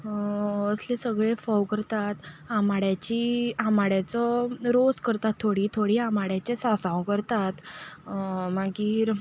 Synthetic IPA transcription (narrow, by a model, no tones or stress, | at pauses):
əslesəɡɭefɔwkəɾt̪at̪amaɽjat͡ɕiamaɽjat͡sɔɾoskəɾt̪at̪ʰːoɽiːt̪ʰoɽiamaɽjat͡ɕesasãwkəɾt̪at̪ | maɡiːɾ